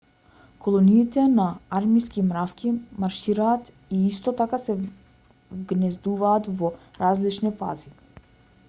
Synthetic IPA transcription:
kʰɔlˠɔniːt̪ɛnaaɾmiskimɾafkʲimaɾʃiɾaːt̪ | iist̪ɔt̪akasɛ | vɡnɛzd̪uvaːt̪vɔɾazlit͡ʃnifa̰zi

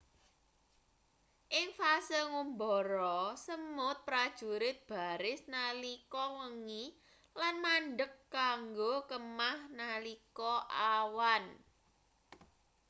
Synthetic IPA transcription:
ʔɪŋfasəŋumbɔɾɔsəmʊt̪̚pɾad̥ʒ̥ṳɾɪt̪̚b̥a̤ɾɪsnalikɔwəŋi | lanmanɖəkːaŋɡokəmahnalikɔʔawan

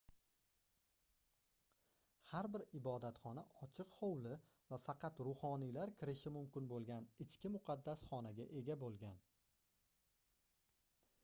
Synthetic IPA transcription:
haɾbɪɾɪbɒd̪at̪χɒnaʔɒt͡ʃʰɪqhowlɪ | vafɑqʰɑt̪ɾʊhɒnijlaɾkʲʰɪɾɪʃɪmʊmkʲɪnbolˠɡʲanɪt͡ʃkʲɪmʊqʰɑd̪ːasχɒnaɡʲaʔe̞ɡʲabolˠɡʲan

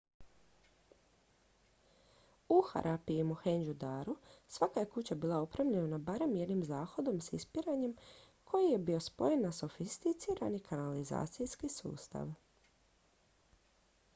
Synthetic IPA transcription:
uxa̰ɾʔapiimuxend͡ʒud̪aːɾusʋakaje̞kut͡ɕabiːlˠaopɾaʋʎenanabaɾe̞mje̞d̪nimzaːxo̞d̪o̞msḭspiɾaɲe̞m | kʰo̞jije̞bio̞spo̞jenːaso̞fist̪it̪siɾanikʰanaliza̰ːt̪sijskisṵːst̪a̰ʋ

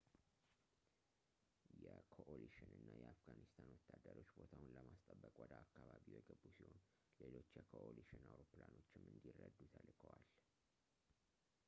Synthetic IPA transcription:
jɛkʰoʔoliʃɪnɨnːajɛafɡanist̪ʰanwɔt̪ʰːad̪əɾo̞t͡ʃːbo̞t̪ʰawʊnləmast̪ʼəbːəkʼwɔd̪əakːaβaβiwojɛɡəbːusiho̞n | le̞lo̞t͡ʃːjɛkʰoʔoliʃɪnawɾoplano̞t͡ʃːɪmːɨnd̪irːəd̪ːut̪ʰəlkʰəwal

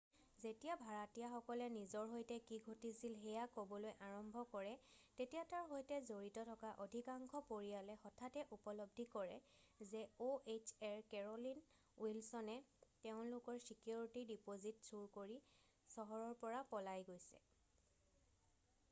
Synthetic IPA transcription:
zetijabʱaɹatijaxɔkɔlɛnizɔɹɦojtɛkiɡʱotisilɦɛjakobɔlojʔaɹɔmbʱɔkɔɹɛ | tetijataɹɦojtɛzoɹitɔtʰɔkaʔodʱikaŋkʰɔpoɹijalɛxɔtʰatɛʔupɔlɔbdʱikɔɹɛzɛoet͡ʃɛɹkɛɹɔlin | wilsɔnɛteʊ̃lʊkɔɹsikjoɹitidipozitsuɹkoɹi | sɔɦɔɹɔɹpɔɹapɔlajɡojsɛ̰

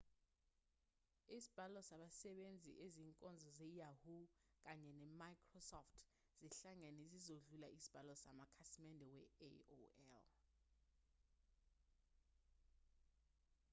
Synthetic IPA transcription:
isib̥ʱalɔsaɓasɛɓend͡zʱḭʔeziːŋkʼɔnd͡zʱɔzɛjahuk̬aɲɛnɛmajkʰrɔsɔftʰ | z̥iɬaŋɛnezizoɮulaisi̥b̥ʱalɔsamakʰasimɛndʱɛwɛ̰o̰ɛ̰l

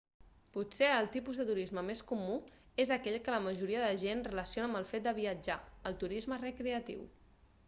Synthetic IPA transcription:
puseəlˠt̪ipuzðət̪uɾizməmeskumu | ezəkɛʎkələməʒuɾiəðəʒenrələsionəmbəlˠfet̪̚d̪əβiəd͡ʒaəlˠt̪uɾizmərəkɾeət̪ḭw

